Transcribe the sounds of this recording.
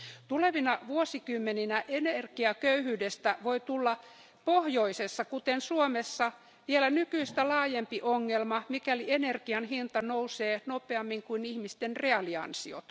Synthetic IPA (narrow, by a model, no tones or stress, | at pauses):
t̪uleʋinɑʋuosikymːeninæʔenerɡiɑkøyhyːdest̪æʋoit̪ulːɑ | pohjoisesːɑkut̪ensuomesːɑ | ʋielænykyist̪ælɑːjempiʔoŋːelmɑmikælienerɡiɑnhint̪ɑnouseːnopeɑmːiŋkuinihmist̪enreɑliɑ̰nsio̰t̪